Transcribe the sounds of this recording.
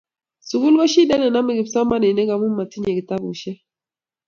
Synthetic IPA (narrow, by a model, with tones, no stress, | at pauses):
su˨ɡu˦lɡɔ˦ʃi˦dɛ˦nɛ˨na˦mi˨ɡi˨psɔ˦ma˦ne˨ne˦ɡa˨˦mu˦mːa˨ti˦ɲe˨ki˨ta˦bṵ˨ʃɛ˦